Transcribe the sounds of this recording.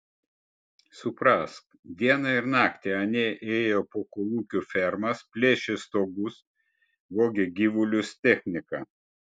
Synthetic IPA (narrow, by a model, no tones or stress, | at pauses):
sʊpɾɑst̪ | d̪ʲiɛnɐɪɾnɑːkt̪ʲeɐnʲeːʔeːjoːpoːkoːlˠuːkʲufʲɛɾmɐspʲlʲeːʃʲest̪oːɡʊs | ʋoːɡʲeɡʲiʋʊlʲʊst̪ʲɛxʲnʲɪkɑ